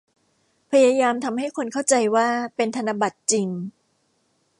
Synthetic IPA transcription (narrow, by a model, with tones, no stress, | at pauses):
pʰa˧jaː˧jaː˧mt̪ʰa˧mha˥˩jkʰo˧nkʰa˥˩wt͡ɕa˧jwaː˥˩pe˧nt̪ʰa˧na˧ba˨˩t̪̚t͡ɕi˧ŋ